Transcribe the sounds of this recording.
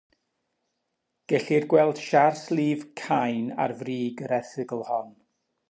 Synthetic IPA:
ɡ̥ɛɬirɡwɛlˠd̥ʃarslˠiːvkʰajna̰rvriːɡəɾɛθɨɡəlˠhɔn

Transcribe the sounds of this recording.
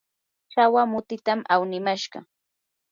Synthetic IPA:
t͡ʃawamʊt̪ɪt̪amawnɪmaʃɢɑ̰

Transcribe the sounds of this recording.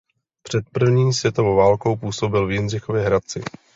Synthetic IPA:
pr̝̥ɛt̪̚pr̩vɲiːsvjɛt̪o̞vowvaːlko̞wpuːsobɪlvjɪnrɪxovjɛɦɾat͡sɪ̰

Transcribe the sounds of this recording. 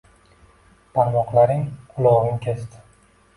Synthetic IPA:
pʰaɾmɒqlaɾɪŋqʰʊlˠɒʁɪŋkʲʰest̪ʰɪ̥

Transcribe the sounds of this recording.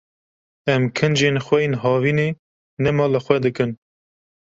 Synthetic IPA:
ɛmkʰɨnd͡ʒeːnxwɛjenɦɑːviːneː | nɛmɑːləxʷwʷɛd̪ɨkɨn

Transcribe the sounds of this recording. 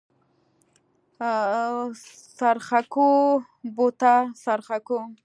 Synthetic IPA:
saɾχako | bot̪asaɾχako

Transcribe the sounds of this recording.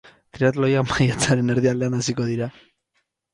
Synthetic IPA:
t̪ɾiat̪̬lojamajat͡saɾe̞ne̞ɾðiald̪e̞anasiko̞ð̞iɾa

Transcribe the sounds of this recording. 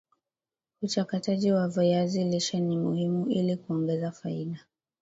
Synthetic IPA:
ut͡ʃakataʄiwavajaziliʃanimuhimuʔilikuɔŋɡɛzafaiɗa

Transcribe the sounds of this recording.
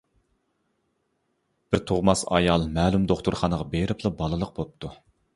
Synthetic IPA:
b̥ɪɾt̪ʰoʁmɑsɑ̰jɑlˠmɛːlumd̪oχt̪ʊɾχɑnəʁɑbeɾɪpʰlˠɨbɑlˠɨlˠəq̚bop̚t̪ʰu

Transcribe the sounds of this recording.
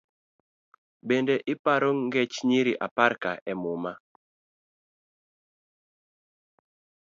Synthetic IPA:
bendeʔɪpaɾoŋɡɛt͡ʃɲiɾiʔapaɾkaʔɛmoma

